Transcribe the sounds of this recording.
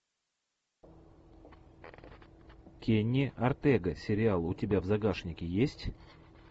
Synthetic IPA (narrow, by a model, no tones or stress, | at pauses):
kʲenʲːɪɐrt̪ɛɡəsʲɪɾʲɪalˠʊtʲɪbʲavzɐɡaʂnʲɪkʲɪjesʲtʲ